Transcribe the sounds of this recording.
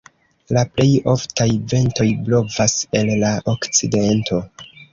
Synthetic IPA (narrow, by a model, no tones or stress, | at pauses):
laple̞jo̞ftajve̞nto̞jblo̞vase̞lːaʔokt͡side̞ntʰo̞